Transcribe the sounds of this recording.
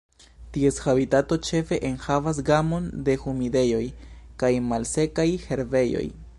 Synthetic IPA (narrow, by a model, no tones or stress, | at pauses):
tie̞shabitato̞t͡ʃe̞fe̞ʔenhavas̬ɡamo̞nde̞xumide̞jo̞jkajmalse̞kajhe̞ɾve̞jo̞̰j